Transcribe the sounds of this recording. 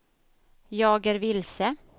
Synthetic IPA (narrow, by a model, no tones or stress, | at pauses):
jɑːɡəɾvɪlsə